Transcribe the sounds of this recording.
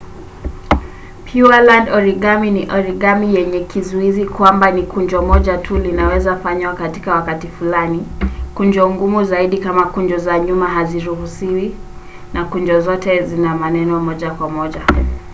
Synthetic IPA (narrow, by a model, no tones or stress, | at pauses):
pʰjualandɔɾiɠaminiʔɔɾiɠamijɛɲɛkizuizikwambanikuɲd͡ʒɔmɔʄatʰulinawɛzafaɲwakati̥kawakatifulanikuɲd͡ʒɔŋɡumuzaiɗikamakuɲd͡ʒɔzaɲumaɦaziɾuɦusiwi | nakuɲd͡ʒɔzɔtɛzinamanɛnɔmɔʄakwamɔʄa